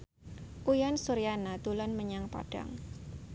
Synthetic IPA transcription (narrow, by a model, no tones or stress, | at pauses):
ʔujansuɾijanat̪ulanməɲaŋpa̰ɖ̥a̰ŋ